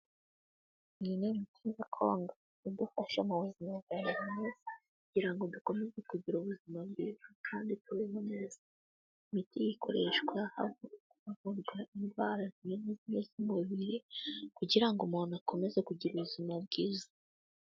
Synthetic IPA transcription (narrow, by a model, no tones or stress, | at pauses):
ninemitʰizakʰoːŋɡa | id̪ufaʃamaβuzimazanaɾmezi̥kuɟiɾaŋɡo̞duko̞me̞zekuɟiɾuβuzimabɡiːzakʰaːndituɾemoneza | imitijikʰo̞̰ɾe̞ʃɡwaha̰vouuvuɾɡwaindwaːɾazimeniziɲezimuβiɾekuɟiɾaŋɡomoːnako̞me̞zekuɟiɾuβuzimab̚ɡiːzḁ